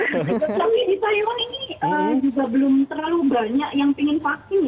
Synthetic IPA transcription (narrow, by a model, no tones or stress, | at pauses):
nawidit̪ajuŋaniniəmd͡ʒuɡabəlʊmt̪əralubarɲaʔjaŋpiŋɪnfak̚sɪnja